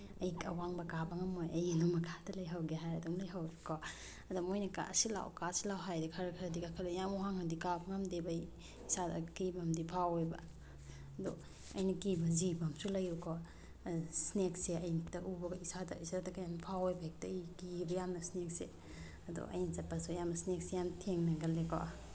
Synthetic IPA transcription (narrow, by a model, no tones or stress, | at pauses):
ɐjkɐ̰waŋbɐkabaŋɐmojɐjinumɐkʰḁdɐlɐjɦawɡeɦajɾɐdumlɐjɦawɾikɔ | ɐdumojnɐka̰ɐ̰sila̰wkasilawɦajdikʰɐɾɐkʰɐɾɐdikakʰalejamuɦaŋhandikabɐŋamdebj | isadɐ̰kibɐmdipʰawojbɐ̰ | ɐdo | ɐ̰jnɐkibɐzibɐmsulɐjukɔ | snek̚seɐjntɐʔubɐɡɐisadɐ̰isadɐkajamnpʰawojbɐek̚tɐikibɐjamnɐsnek̚sḛ | ɐdo̰ʔɐ̰jnisɐpɐsojamnɐsnek̚sejamtʰeŋnɐɡɐlːekɔ̰